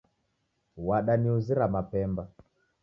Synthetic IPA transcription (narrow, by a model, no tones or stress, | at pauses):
waɗaniuziɾamapɛmba